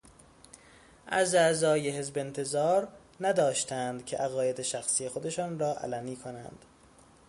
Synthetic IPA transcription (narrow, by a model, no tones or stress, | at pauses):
ʔæ̰zæzɒːjeɦe̞zbe̞nt̪ʰe̞zɒːɾ | næd̪ɒːʃt̪ʰænd̪cʲʰe̞ʔæɣɒːje̞d̪e̞ʃæxsiːje̞xod̪e̞ʃɒːnɾɒːʔæ̰læniːkʰonæ̰nd̪̥